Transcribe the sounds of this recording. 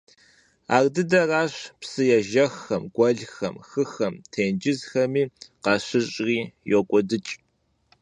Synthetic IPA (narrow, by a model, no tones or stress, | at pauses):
a̰ːrdɨdɐraːɕpsɨjɛʒɐxːɐmɡ̥ʷɐɮxɐ̰mxɨxɐmtʰeːnd͡ʒɪzxɐmiːqɑːɕɨɕʼriːjɔkʷʼɔdɨt͡ʃʼ